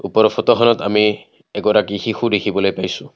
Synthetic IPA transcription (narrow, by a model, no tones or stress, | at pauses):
upɔɾɔpʰɔtɔxɔnɔtami | ɛɡɔɾakixixudekʰibɔlojpajsʊ̃